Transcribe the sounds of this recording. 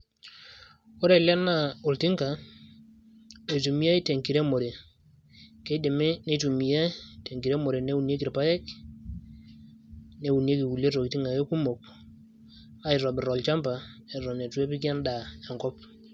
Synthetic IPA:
ɔ˦ɾɛ˨lɛ˦na˦˨o˨lti˦ŋka˨ | e˨tu˨mi˦ja˦jte˨ŋki˨ɾɛ˦mo˨ɾe˨ | kɛ˦de˨mɛ˦ne˦tu˨mi˨ja˦te˨ŋki˨ɾɛ˦mo˨ɾe˨nɛ˦u˨nje˦ki˨ɾpa˦jɛ˦k | nɛ˦u˨ne˦ki˨wu˨le˦tɔ˨ki˨ti˦ŋɡa˨je˦ku˦mo˨k̚ | a˦i˨ɾɔ˨bɪ˨ɾɔ˨lt͡ʃa˦mpa˨ɾɔ˨nɛ˨tu˦ɛ˦pi˦kja˦nda˨ja˨ŋkɔ˦p̚

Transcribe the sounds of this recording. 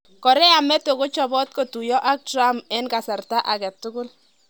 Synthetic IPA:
kɔ˨ɾɛ˦a˨mɛ˦to˨ko˦t͡ʃɔ˨bɔ˦t̚ko˨tu˨jɔ˦ʔa˦k̚tra˦mɛ˦nka˨sa˨rta˦ʔa˨ɡa˨tʊ˦ɡʊ˦l

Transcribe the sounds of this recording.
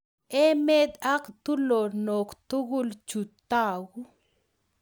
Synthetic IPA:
e˦me˦t̪a˦kt̪u˦lo˨ɾno˨kt̪u˦ɡu˦lt͡ʃu˨t̪a˦wu˦

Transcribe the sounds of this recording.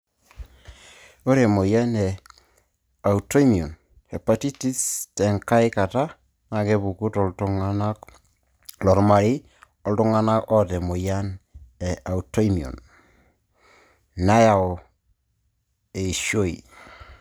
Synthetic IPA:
o˦ɾe˨mo˨ja˦nɛ˨ | a˨u˨to˦i˦mi˨o˨n | he˨pa˨ti˦ti˦stɛ˨ŋka˦i˦ka˨ta˦ | na˨ke˦bu˨ku˦tɔ˨ltu˦ŋa˦na˦k | lɔ˨ɾma˨ɾi˦ | ɔ˨ltu˦ŋa˦na˦kɔ˦te˨mo˨ja˦ne˨ʔa˨u˨to˦i˦mi˨o̰˨n | na˦ja˨o˨ | e˨ʃo˦i˨

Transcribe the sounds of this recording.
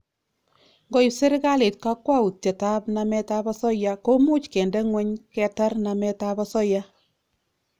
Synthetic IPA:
ŋɡo˦ji˨se˦ɾɪ˦ka˦le˨t̚ka˦kwa˦u˨te˨ta˦pna˧mɛ˦ta˦bɔ˦sɔ˦ja˦ko˦mu˦t͡ʃkɛ˨ndɛ˦ŋwɛ˦ɲkɛ˨ta˦rna˨mɛ˦ta˦bɔ˦sɔ˦ja˦

